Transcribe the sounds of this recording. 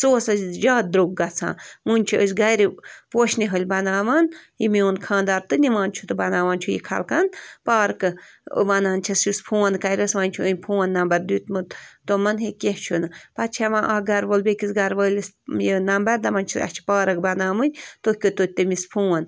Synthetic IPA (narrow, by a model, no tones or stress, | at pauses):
soːsɐd͡ʒaːd̪̚d̪ɾuɡ̚ɡɐt͡sʰã̰ːmunʲt͡ʃʰiʔəsʲɡɐjɾipoːʃniɦəlʲbɐnaːʋɐːnjimioːnkʰãːnd̪aːɾt̪ɨniʋãːnt͡ʃʰut̪ɨbɐnaːʋaːnt͡ʃʰujḭkʰɐ̰lkɐnpaːɾkɨ̰ | ʋɐnaːnt͡ʃʰɐsjuspʰũːɐnkɐjɾʲɐsʋɐnʲt͡ʃʰuənʲpʰuːɐnːɐmbɐɾd̪uːt̪mɨt̪t̪omɐnɦekeht͡ʃʰunɨpɐt̪̚t͡ʃʰɛʋãːʔaɡɐɾʋolbekisɡɐɾʋəlʲis | jinɐmbɐɾd̪ɐmɐnʲt͡ʃʰiɐ̰t͡ʃʰi̥paːɾɐk̚bɐnaːmɨnʲt̪ohʲkʲot̪ot̪ːɨmispʰuːɐn